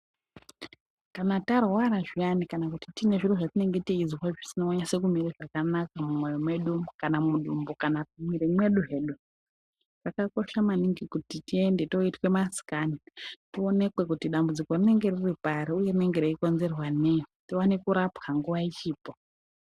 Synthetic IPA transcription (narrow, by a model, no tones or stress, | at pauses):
kanatarwaɾaʐianikanakutitine̞ʐiroʐatine̞ŋɡe̞tiid͡zwaʐisinaoɲase̞kumiɾiʐakanakamumwojomwe̞ɗukanamuɗumbokanatumwiɾemwe̞ɗuɦe̞ːɗu | rakako̞ʃamaniŋɡikutitie̞nde̞to̞itwe̞masi̥kanitio̞ne̞kwe̞kutiɗambud͡ziko̞rine̞ŋɡe̞riripaɾiuje̞rine̞ŋɡe̞ɾeiko̞nze̞rwanejotiwanekuɾapkaŋɡuʋait͡ʃiːpo